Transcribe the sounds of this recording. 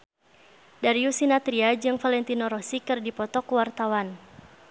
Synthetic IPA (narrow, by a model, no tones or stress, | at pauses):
daɾiusinat̪ɾiad͡ʒɨŋfalɛnt̪inɔɾɔsikɨrdipɔt̪ɔkwart̪awan